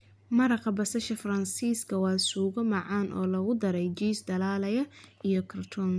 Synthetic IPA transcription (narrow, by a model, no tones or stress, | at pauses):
mɐɾɑqɐbɐsɐʃɐfɐrɐnsiːskʰɐwɑːsuːɣɔmɑʕɑːnʔɔ̰ːlɐɣʊd̪ɐɾɛjd͡ʒiːsd̪ɐlaːlɐjɐʔijɔkʰɐrt̪ʰɔn